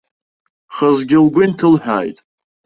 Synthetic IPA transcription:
χəzɡʲɪlɡʷʊntʰɨlħᶣa̰ːjtʼ

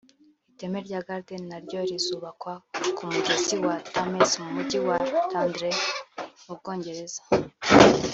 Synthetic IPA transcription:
ite̞meɾɟaɡaɾdenaɾɟo̞ɾizuːβakwakumuɡiziwatamesmumuɟiwatandɾemub̚ɡo̞ːɲɟe̞ɾe̞zḁ

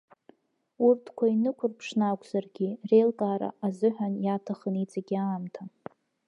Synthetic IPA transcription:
urtʰkʷʰainɨkʷʰʊrpʰʂnakʷʼz̥arɡʲirelkʼaːɾa̰azɨħʷᶣanjatʰaχənit͡sʼaɡʲaːmtʰa

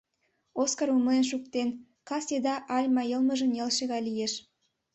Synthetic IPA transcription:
oskɑɾumənʃuk̚t̪en | kʰɑsʲed̪ɑʔɑlʲmɑjəlˠməʒənʲelˠʃeɣɑlʲijeʃ

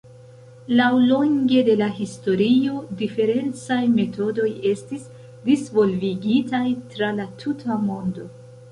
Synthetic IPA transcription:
lawlo̞ŋɡe̞de̞laɦisto̞ɾio̞dife̞ɾe̞nt͡sajme̞to̞do̞je̞stis | disvo̞lviɡitajtɾalatʰutʰamo̞ndo̞

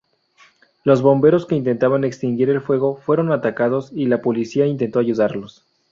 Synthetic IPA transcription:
lo̞zβo̞mbe̞ɾo̞ske̞int̪e̞nt̪aβane̞kst̪iŋɡiɾe̞lfwe̞ɣo̞fwe̞ɾo̞nat̪akaðo̞silapo̞lisiaint̪e̞nt̪o̞aʝuðaɾlo̞s

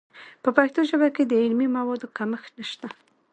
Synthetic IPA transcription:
pəpajt̪oʒəbaked̪əɪlmimawɑd̪okaməxnaʃt̪a

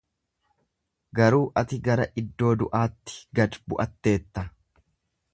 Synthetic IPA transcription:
ɡɐɾuːʔɐt̪ɪɡɐɾɐʔɪd̪ːo̞ːd̪ʊʔaːt̪ːɪ̥ɡɐd̪bʊʔɐt̪ːe̞ːt̪ːɐ

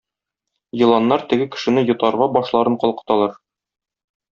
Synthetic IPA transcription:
jɤ̆lˠɑnːɑɾt̪ɘ̆ɡɘkɘ̥̆ʃɘ̆nɘjŏt̪ɑɾʁɑbɒʃlˠɑɾɤɴqɒlˠqɤ̥̆t̪ɑlˠɑɾ

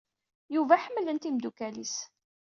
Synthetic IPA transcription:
juvæħəmːlənt̪imd̪ukælis

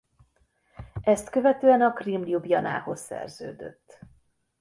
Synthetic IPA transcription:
ɛst̪køvɛt̪øːɛnɒkrimljubjɒna̰ːho̞ssɛ̰rzø̰ːd̪ø̞̰t̪ː

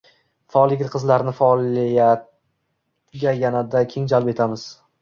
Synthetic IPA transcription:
faɒlˠjɪɡʲɪt̪qʰɨzlaɾnɪfalijat̪ | ɡʲajanad̪akʲʰe̞ŋd͡ʒalˠpe̞t̪ʰamɪz̥

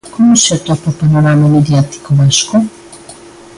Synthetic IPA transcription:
komoset̪apapanoɾamameðjat̪i̥koβasko

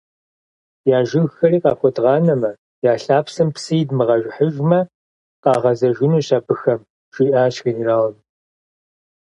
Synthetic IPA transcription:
jaːʒɪɣxɐriːqɑːxʷɔtʁɑːnɐmɐ | jaːɬaːpsɨmpsɨjdmɨʁɐʒʷħəʒmɐ | qɑːʁɐzɐʒɪnuːɕaːbɨxɐm | ʃiʔaːɕxiniraːwm

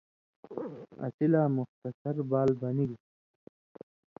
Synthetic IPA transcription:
ɐ̰silaːmʊxt̪ɐsɐɾbaːlbɐniɡ

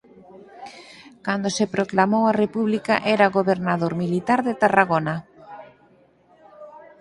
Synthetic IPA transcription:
kand̪osepɾoklamowarepuβlikaʔɛɾaɣoβeɾnaðoɾmilit̪aɾðet̪araɣona

